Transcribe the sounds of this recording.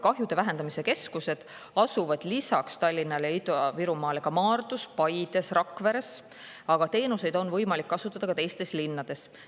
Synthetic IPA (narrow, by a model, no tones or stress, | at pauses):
kɑɦjud̪̥e̞væɦe̞nd̪ɑmise̞ke̞skuse̞d̪̥ | ɑsuvɑd̪̥lisɑkst̪ɑlʲːinːɑleit̪oviɾumɑːle̞ɡ̥ɑmɑːrd̪̥uspɑjd̪̥e̞srɑkːˑve̞ɾe̞s | ɑɡ̥ɑt̪e̞ːnuse̞jd̪̥o̞nvɤjmɑlikːɑsut̪ːˑɑd̪̥ɑkɑt̪e̞jst̪e̞slinːɑd̪̥e̞s